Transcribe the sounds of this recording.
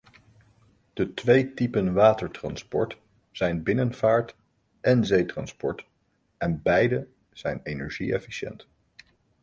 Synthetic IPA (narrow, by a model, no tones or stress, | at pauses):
d̥ətʋejtipənʋaːtəɹtrɑ̰nspɔ̰ɹt | z̥ɛjnbɪnənvaːɹt | ʔɛnzejtrɑnspɔ̰ɹt | ʔɛnbɛjdə | z̥ɛjnejnɛɹʒiɛ̰fiʃɛ̰nt